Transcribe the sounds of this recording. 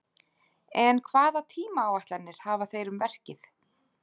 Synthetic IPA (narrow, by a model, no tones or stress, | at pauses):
ɛnkʰvaːðat̪ʰiːmaːwaht̪lanːɪɾ̥haːvaθejɾʏmvɛr̥cɪθ